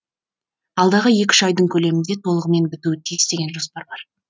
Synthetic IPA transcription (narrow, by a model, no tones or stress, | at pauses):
ɑlˠd̪ɑʁəje̞kʲɪ̥ʒɑjd̪əɴkʲʰɵle̞mɪnd̪e̞t̪ʰo̞lˠəʁəme̞nbɪt̪uɪt̪ʰijɪst̪e̞ɡʲenʒospɑɾbɑɾ